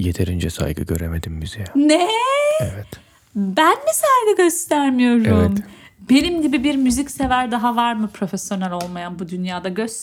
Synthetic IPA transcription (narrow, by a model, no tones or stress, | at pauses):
jet̪ʰeɾind͡ʒɛsa̰jɡɯ̰ɟø̰ɾemed̪imːyz̥ejɛnɛevɛt̪ | bænmisajɡɯɟøst̪ʰæɾmijo̞ɾum | be̞nimɟibibiɾmyzicse̞væɾd̪aɦavaɾmɯpʰɾo̞fesjo̞nɛlʲo̞lˠmajanbud̪ynjaːd̪aɟø̞st̪